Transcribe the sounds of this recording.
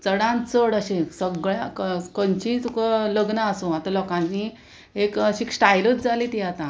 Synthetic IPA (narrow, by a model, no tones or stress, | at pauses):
t͡səɽãnt͡səɽəɕẽsəɡɭjaəkənt͡ɕĩt̪ukələɡnaasũat̪ãlɔkãni | ekəɕiːksʈajlət̪d͡zaliːt̪jat̪ã